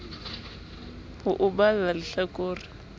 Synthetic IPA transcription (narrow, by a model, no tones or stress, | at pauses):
hʊʔʊbalalɪɬakʼoːrɪ